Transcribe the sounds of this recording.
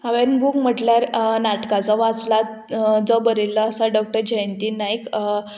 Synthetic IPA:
aʋeɾnbʱukm̤əʈljaɾnaʈkat͡sɔʋat͡sla | d͡zɔbəɾilːəːsaɖɔk̚ʈəɾd͡ʑeənt̪iːnajk

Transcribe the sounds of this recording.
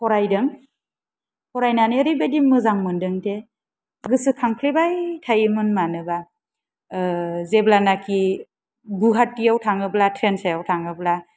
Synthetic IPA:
hɔɾajdɯŋ | hɔɾajnaneɾibedimɯzaŋmɯndɯŋtʰe | ɡɯsɯkʰaŋpʰlibajtʰajɯmɯnmanɯba | zeblanakʰi | ɡuɦatːijawtʰaŋɯblatʰɾensajawtʰaŋɯbla

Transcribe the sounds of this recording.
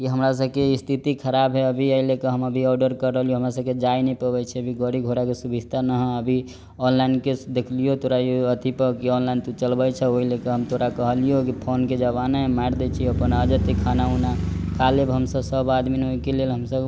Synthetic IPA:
kiɦəmɾas̬əbkeist̪ʰit̪ikʰəɾabɦeəbʱiəilekeɦəməbʱiɔɖəɾkəɾːəɦəlijoɦəmɾasəb̚ked͡ʒainɛipəbɛt͡ʃʰɛəbʱiɡəɽiɡʱoɾakesubʱid͡ʒt̪ʰanəɦəbʱi | ɔnlainked̪ekʰlijot̪oɾajoət̪ʰipəkiɔnlajnt̪ut͡ʃəlbət͡ʃʰɛoɦilekeɦəmt̪ʰoɾakəɦəlijokipʰonked͡ʒəbanamaɾd̪ɛt͡ʃʰiəpənaəd͡ʒət̪ikʰːanaunakalebɦəmsəbsəbad̪minɦoikelelɦəmsəb

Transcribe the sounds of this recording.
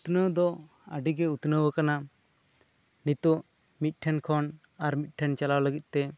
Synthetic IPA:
ut̪nəwd̪ɔ | əɖiɡɛut̪nəwəkana | nit̪ɔʔ | mit̪̚ˀʈʰɛnkʰɔn | aɾmit̪̚ˀʈʰɛnt͡ʃalawləɡit̪̚ˀt̪ɛ

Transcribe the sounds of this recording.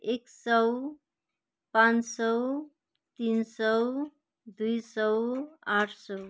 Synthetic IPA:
eksʌw | pãnsɔw | t̪insʌw | d̪ujsʌwaʈʰsɔw

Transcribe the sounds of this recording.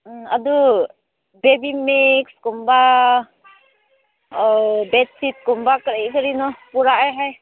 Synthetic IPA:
a̰d̪u | bebimikskɔmba | ɔbɛt̪̚sit̪̚kɔmbakəɾiʔkəɾinɔpuɾaʔɛɦaj

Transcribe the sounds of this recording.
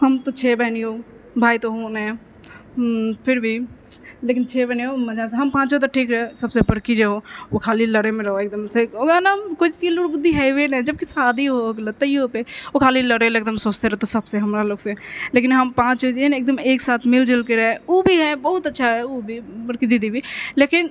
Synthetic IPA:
hɐmt̪ot͡ʃʰeːbɛɦnioː | bʱaːit̪oɦoːnɦɛ̃ | pʰɪɾbʱi | leːkɪnt͡ʃʰeːbɛniomɐd͡ʒaːseɦɐmpãːt͡ʃɦot̪̬oʈʰiːkɾɦosɐbsebəɾkid͡ʒeɦookʰaːliləɽemẽɾɐɦoek̚d̪əmseoɡaːnakot͡ʃilʊɽbʊd̪ʱːiɦɛʋenɛd͡ʒəb̚kisaːd̪ʱiɦoɡlɐt̪əiɦopeokʰaːliləɽeleːk̚d̪əmsoːt͡ʃt̪eɾɦt̪osɐbseɦɐmɾaloːɡsẽleːkɪnɦɐmpãːt͡ʃod͡ʒeneːk̚d̪əmeːksaːt̪ʰmɪld͡ʒɪlkeɾɛɦeobʱiɦɛbɐɦʊt̪ɐtːʃʰaɦɛobʱibəɾkid̪ɪd̪ibʱileːkɪn

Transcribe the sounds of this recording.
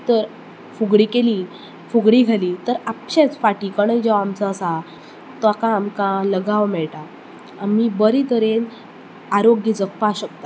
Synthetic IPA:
t̪əɾ | fuɡɽiːkeli | fuɡɽiːɡʱaliːt̪əɾapɕet͡sfaʈikəɽ̃əjd͡ʑəamt͡səːsa | t̪akãːmkãləɡaʋmɛɭʈa | amibəɾit̪əɾen | aɾoɡid͡zəkpaɕək̚t̪a

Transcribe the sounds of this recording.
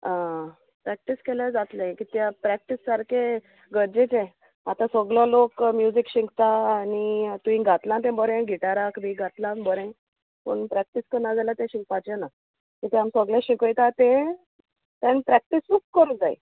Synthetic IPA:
a | pɾæk̚ʈiskelad͡zat̪lãkit̪japɾæk̚ʈisːaɾkʰe | ɡəɾd͡ʑet͡ɕẽ | at̪ãsəɡlɔlokmjud͡zikɕĩŋɡt̪aːnit̪uĩɡʱat̪lãnt̪̬ẽbəɾẽɡʱiʈaɾakbiɡʱat̪lãnbəɾẽ | pə̰ɳpɾɛk̚ʈiskənad͡zalat̪ẽɕiŋɡpat͡ɕena | kit̪ẽamsəɡljãɕikəjt̪at̪ẽ | t̪ãnpɾɛk̚ʈisukːəɾud͡zaj̰

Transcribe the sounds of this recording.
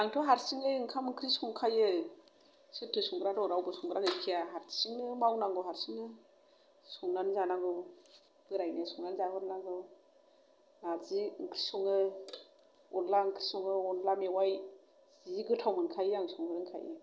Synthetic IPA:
naŋtʰɔɦaɾsiŋɯɯŋkʰamŋkʰɾisuŋkʰajɯ | sɯtʰːɯsuŋɡɾadɔŋɾawbɯsuŋɡɾaɡɯjkʰijaɦaɾsiŋnɯmawnaŋɡɯwɦaɾsiŋnɯ | sɔŋnanzanaɡɯ | b̥ɯɾajnesɔŋnanzahɔɾnaɡɯ | naziŋkʰɾisɔŋɯ | ɔnlaŋkʰɾisɔŋɯɔnlamewaj | ziɡɯtʰawmɯnkʰajaŋsɔŋɡɯɾŋkʰa̰jɯ̰

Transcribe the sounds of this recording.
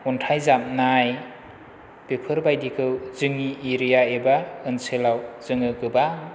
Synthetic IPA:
ɔntʰajzam̚naj | b̥epʰɯɾbajdikʰɯwzɯŋiʔeɾijaebaɯnsɯlawz̥ɯŋɯɡɯba

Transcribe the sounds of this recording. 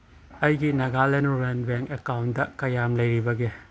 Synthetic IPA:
ɐjɡinɐɡalenuɾenbeŋkekawndɐkɐjamlɐjɾibɐɡe

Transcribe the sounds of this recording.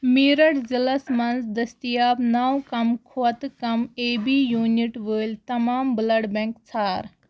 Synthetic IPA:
miːɾɐɽzilɐsmɐnzd̪ɐst̪ijaːbnaːwkɐmkʰuɐt̪kɐmeːbijuːniʈʋəːlʲt̪ɐmaːmblɐɽbɛ̃ŋkt͡sʰaːɾ

